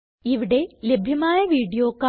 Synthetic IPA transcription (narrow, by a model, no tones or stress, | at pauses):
iʋiɽe̞le̞bʱjɐmaːjɐʋiːɽijoːkːa